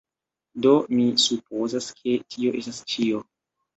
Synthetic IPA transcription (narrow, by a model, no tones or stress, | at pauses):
do̞misup̚o̞zaskʰe̞tʰio̞ʔe̞stast͡ʃio̞